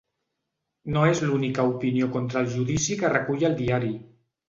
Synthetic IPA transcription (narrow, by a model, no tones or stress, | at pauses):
noezlunikaupiniokont̪ɾəːlˠʒuðisikərəkuʎəlˠd̪iaɾi